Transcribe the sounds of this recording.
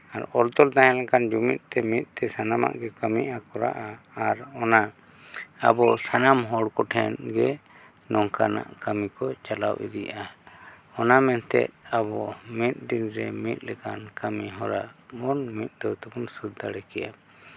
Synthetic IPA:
aɾɔlt̪ɔld̪aɦɛ̃lɛkand͡ʒumit̪̚t̪ɛmit̪̚ˀt̪ɛsanama̰ʔɡɛkəmiʔakɔɾa̰ʔaː | ɾɔna | a̰bɔsanamɦɔɽkɔʈʰɛnɡɛ | nɔŋkana̰ʔkəmikɔt͡ʃala̰wḭɾija | ɔnamɛnt̪ɛ̰ʔabɔmit̪̚ɖinɾɛ̰mit̪̚ˀlɛkankəmiɦɔɾaɔnmit̪̚ˀd̪ɔwt̪ɛbunsud̪ːaɽɛkɛ̰ja

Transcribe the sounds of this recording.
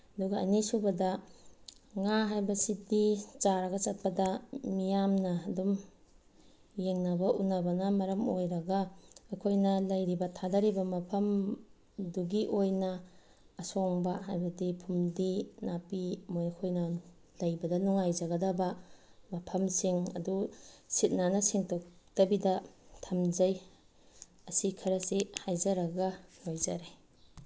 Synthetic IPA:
ɐduɡɐɐnisubɐdɐ | ŋaɦajbɐsidit͡ʃaɾɐɡɐt͡ʃɐt̚pɐdɐmijamnɐːdum | jeŋnɐbɐʔunːɐbɐnɐmɐɾɐmojɾɐɡɐːkʰojnɐlɐjɾibɐtʰadaɾibɐmɐpʰɐm | duɡiʔojnɐː | soŋbɐhajbɐdipʰumdinapimojɐkʰojnɐ | lɐjbɐdɐnuŋajd͡ʒɐɡɐdɐbɐmɐpʰɐmsiŋɐ̰dusit̚nanɐsiŋtʰok̚d̥ɐbidɐtʰɐmd͡ʒɐj | ɐsikʰɐɾɐsihajzɐɾɐɡɐnojzɐɾe

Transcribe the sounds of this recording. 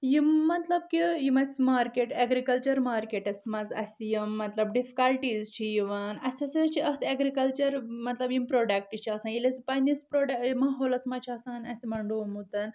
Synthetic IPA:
jimːɐt̪lɐb̚kijimɐsmaːɾkeːʈeɡɾikɐlt͡ʃɐɾmaːɾkeʈɐsmɐd͡zɐ̰sʲjimːɐt̪lɐbɖifi̥kɐlʈiːzt͡ʃʰijiʋaːnɐsʲɐsʲɐt͡ʃʰiʔɐɦt̪ʰeɡɾikɐlt͡ʃɐɾmɐt̪lɐbjimpɾoːɖɐk̚ʈit͡ʃʰiɐsanjilʲɐsipanispɾoːɖɐmaɦoːlɐsmɐt͡ʃʰiɐsaːnɐsʲimɐɳɖumut̪ɐn

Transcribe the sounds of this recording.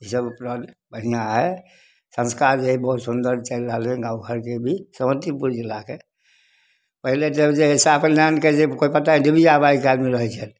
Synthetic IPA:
isəbpɾənbəɦinaɦɛ | sə̃nskaɾd͡ʒeɦibɦut̪sund̪əɾt͡ʃəɪlɾəɦəlɛ̃ɡãʊɡʱəɾkebʱisəmət̪ipuɾd͡ʒilːake | pəɦiled͡ʒed͡ʒeesaəpənnanked͡ʒekoipət̪aĩdebʱiabajikalmiɾəɦt͡ʃʰən

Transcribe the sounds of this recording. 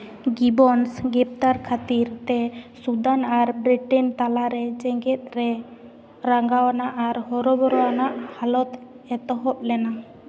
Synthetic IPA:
ɡibɔnsɡɛp̚t̪aɾkʰat̪iɾt̪ɛsud̪anaɾbɾiʈɛnt̪alaɾɛt͡ʃɛŋɡɛt̪̚ˀɾɛ | ɾaŋɡawanaʔaɾhɔɾɔbɔɾɔwanaʔhalɔt̪ | ɛt̪ɔɦɔp̚lɛna

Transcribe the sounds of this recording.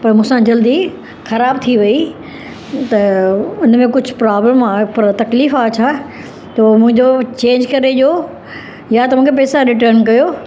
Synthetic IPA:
pɐɾmũːsãd͡ʑɐld̪i | xɐɾaːbt̪ʰiʋɐi | t̪ɐʊnmẽkʊd͡ʑʱʊpɾaːbləmaːpɐɾt̪ɐkliːfaːt͡ɕʰaː | t̪oːmʊ̃ɦɪ̃ɲd͡ʑot͡ɕẽːɲd͡ʑkɐɾeʄoː | jat̪ɐmũːkʰepɛːsaɾɪʈəɾnk̬ɐjoː

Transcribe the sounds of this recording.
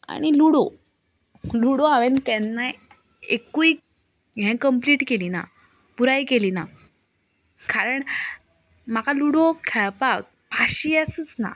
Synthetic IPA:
a̰ɽ̃iluɽo | luɽoaʋent̪ɛnːa | ekui | ɦɛ̃kəmpliːʈkelina̰ | puɾajkelina | kaɾəɳ | m̤akʰaluɽokʰɛɭpak̚ | paɕiːəsət͡sna̰

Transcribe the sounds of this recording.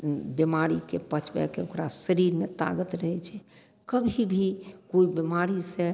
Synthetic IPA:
bemaɾikepət͡ʃʰbɛ̰keokɾasəɾiɾmet̪a̰ɡət̪ɾəɦɛt͡ʃʰɛ | kəbʱibʱikoibemaɾisẽ

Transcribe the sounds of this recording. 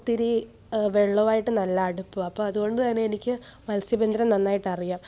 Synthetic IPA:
t̪iɾi | ʋeɭːɐʋaːjiʈːɨnɐlːaːɽupːuɐpːoːɐðuɣo̞ɳɖɨt̪ɐnːeenikʲːɨmɐlsjɐbend̪ɐɾɐmnɐnːaːjiʈːɐrijaːm

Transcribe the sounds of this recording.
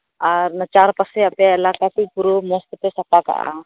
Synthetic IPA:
aɾnɐt͡ʃaːɾpəseɐpjaɐlaːkakipuɾomoːst̪ət̪esɐpaka̰ʔa̰

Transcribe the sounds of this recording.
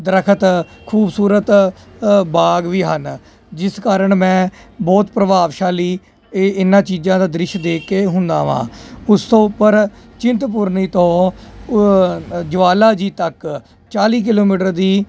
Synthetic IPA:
d̪əɾəkʰət̪kʰuːbsuːɾət̪ | baːɡʋiːɦən | d͡ʒɪskaːɾəɳmɛ̃ːbɔːt̪pɾəʋaːʋʃaːliː | ɪnãːt͡ʃiːd͡ʒãːd̪aːd̪ɾɪʃd̪eːkːeːɦʊnd̪a̰ːʋã̰ːʊst̪õːʊpːəɾ | t͡ʃɪnt̪p̬ʊɾniːt̪õː | d͡ʒəʋaːlaːd͡ʒiːt̪ək | t͡ʃaːliːk̬ɪloːmiːʈəɾd̪iː

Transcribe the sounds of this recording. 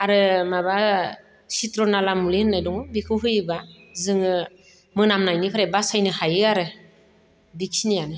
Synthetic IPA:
aɾɯmaba | sitɾɔnalamulihɯnːajdɔŋɯbikʰɯɦɯjba | zɯŋɯ | mɯnamnajnipʰaɾajbasajnɯhajɯaɾɯ | biksʰinijanɯ

